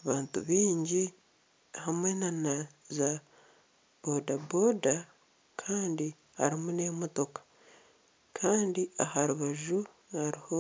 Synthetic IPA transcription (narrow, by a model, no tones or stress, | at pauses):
aβaːntṵβiːɲɟi | hamwe̞nanaza | bodabo̞da | kʰaːndi | ha̰ɾimune̞moto̞kḁ | kʰaːndiahaɾuβaʒu | haɾiho